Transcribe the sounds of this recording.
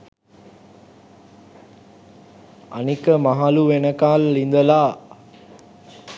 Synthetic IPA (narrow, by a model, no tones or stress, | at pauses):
a̰nikəmaɦaluʋenəkaːlːind̪əlaː